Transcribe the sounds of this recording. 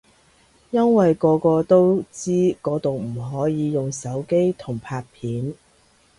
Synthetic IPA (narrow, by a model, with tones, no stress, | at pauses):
jɐ˥nwɐ˨jkɔː˨˧kɔː˧t̪o˥wt͡siː˥kɔː˨˧˥t̪o˨wm̩˨˩ɦɔː˨˥jiː˨˧jʊ˨ŋsɐ˨˥wke˥jt̪ʰʊ˨˩ŋpʰaː˧t̚pʰiː˨˥n